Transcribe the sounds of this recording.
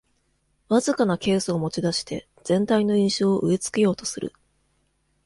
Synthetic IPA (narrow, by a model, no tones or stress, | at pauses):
βazɨkanake̞ːsɨomo̞t͡ɕid̪aɕi̥t̪e̞ | z̥ẽ̞nt̪aino̞ĩɰ̃ɕo̞ːʔɯ̟e̞t͡sɨ̥ke̞jo̞ːt̪o̞̥sɨɾɯ̟̰